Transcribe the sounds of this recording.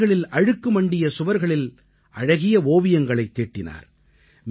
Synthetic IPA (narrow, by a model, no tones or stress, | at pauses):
ɣɐɭɪlɐɻɯkːɯmɐɳɖɪjɐsʊʋɐɾɣɐɭɪl | ʔɐɻɐɣɪjɐoːʋɪjɐŋɡɐɭɐɪt̪ːeːʈːɪna̰ːɾ | m